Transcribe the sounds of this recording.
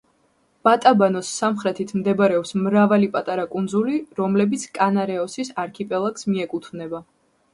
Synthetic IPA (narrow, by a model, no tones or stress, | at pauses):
b̥at̪ʼabanɔsːamχɾɛt̪ʰit̪ʰmd̪ɛbaɾɛɔpsmɾavalipʼat̪ʼaɾakʼund̪zuliɾɔmlɛbit̪sʰkʼanaɾɛɔsisaɾkʰipʼɛlˠaksmiɛkʼut̪ʰmnɛba